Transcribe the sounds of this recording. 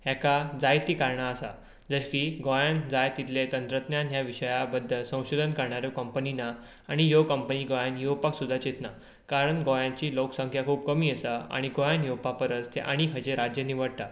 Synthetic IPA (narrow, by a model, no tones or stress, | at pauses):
ɦɛ̃kad͡zajt̪iːkaɾɳaːsa | d͡zəɕkiɡɔjand͡zajt̪it̪let̪ənt̪ɾət̪njanɦjaʋiɕəjabəd̪ʱːəlsə̃w̃ɕod̪ʱənkəɾɳaɾjokəmpəninaː | ɽ̃ijokəmpəniːɡɔjanjuwpaksud̪ʱːat͡ɕet̪na | kaɾəɳɡɔjãt͡ɕiːloksə̃ŋkʰjakʰuːp̚kəmiːesaa̰ɽ̃iɡojanjuwpapəɾət͡st̪ʰeʔa̰ɽ̃ikʰət͡ɕeɾad͡ʑjənːiʋəɽt̪a